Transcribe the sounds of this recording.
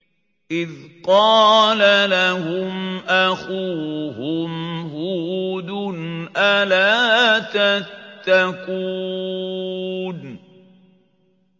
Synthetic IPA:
ʔɪðqɑːlalahʊmʔaxuːhʊmhʊd̪ʊnʔalaːt̪at̪ːaku | n

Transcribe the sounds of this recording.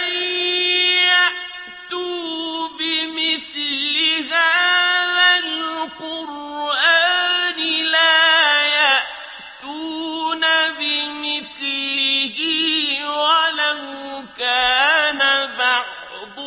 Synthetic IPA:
aʔ | t̪ubɪmɪθlɪhaðalqʊɾʔaːnɪlaja | t̪uːnabɪmɪθ | ɦiwalahkaːnabaʕ | bʊ

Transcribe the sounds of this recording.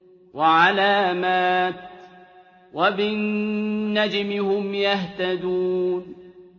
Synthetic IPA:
wʔaʕalaːmaːt̪̚ | wabɪnː | ad͡ʒmɪhʊmjaht̪ad̪uːn

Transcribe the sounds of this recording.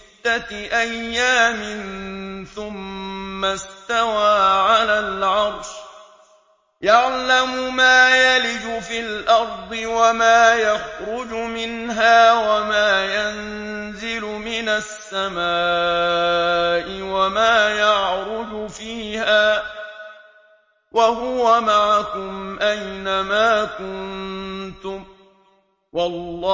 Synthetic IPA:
d̪ːaʔajːaːmɪnθʊmːast̪awaːʕalaːlʕɑɾˤʃ | jaʕlamʊmaːjalɪd͡ʒʊfiːlʔɑɾˤd̪ˤɨwamaːjaxɾʊd͡ʒʊmɪnɦaːwamaːjan | zɪlʊmɪnasːamaː | ʔɪwamaːjɑʕɾʊd͡ʒʊfiːhaː | wʔaɦʊwamaʕakʊmʔajnamaːkʊnt̪ʊm | wʔɑlː

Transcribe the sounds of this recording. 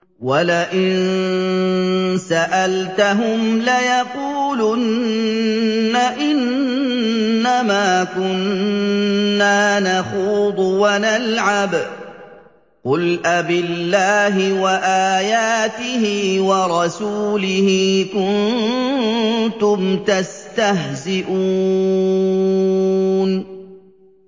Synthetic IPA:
walaʔɪnn | saʔalt̪aɦʊmlajɑquːlʊn | aʔɪn | amaːkʊnː | aːnaxuːd̪ˤwanalʕab | qʊlʔabɪlːaːɦɪwaʔaːjaːt̪ɪhiːwɑɾˤɑsuːlɪhiːkʊnn | t̪ʊmt̪ast̪aɦzɪʔuː | n

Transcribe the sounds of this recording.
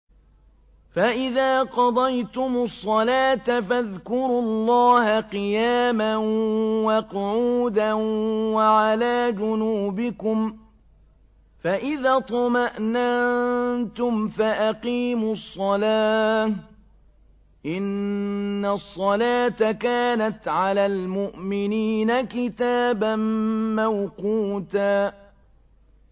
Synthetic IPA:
faʔɪðaːqɑd̪ˤɑjt̪ʊmʊsˤːɑlaːt̪afaðkʊɾʊllˤːɑːhaqɨjaːmanwɑqʊʕuːd̪anwaʕalaːd͡ʒʊnuːbɪkʊm | faʔɪðaːt̪ˤɑmaʔna | t̪ʊmfaʔaqiːmʊsˤːɑlaː | ʔɪnː | asˤːɑlaːt̪akaːnat̪ʕalaːlmʊʔmɪniːnakɪt̪aːbanmawquːt̪aː

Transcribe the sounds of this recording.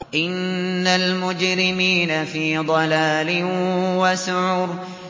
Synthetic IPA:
ʔɪnːalmʊd͡ʒɾɪmiːnafiːd̪ˤɑlaːlɪwasʊʕuːɾ

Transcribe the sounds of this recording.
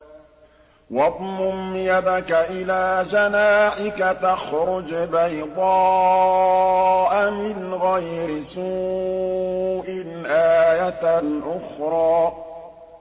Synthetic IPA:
wɑt̪ˤmʊmjad̪akaʔɪlaːd͡ʒanaːʔɪkat̪axɾʊd͡ʒbajd̪ˤɑː | ʔamɪnɣajɾɪsuː | ʔɪnʔaːjaʔʊxɾˤɑː

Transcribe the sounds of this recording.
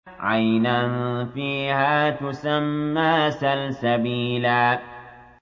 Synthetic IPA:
ʕajnanfiːhaːt̪ʊsamːaːsalsabiːlaː

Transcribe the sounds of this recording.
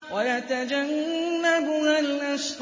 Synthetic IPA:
wajat̪ad͡ʒanːabʊhalʔast̪

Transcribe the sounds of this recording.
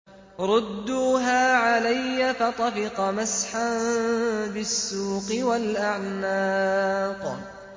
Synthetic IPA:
ɾˤʊd̪ːuːɦaːʕalajːafat̪ˤɑfɪqɑmasħan | bɪsːuːqɨwalʔaʕnaːq

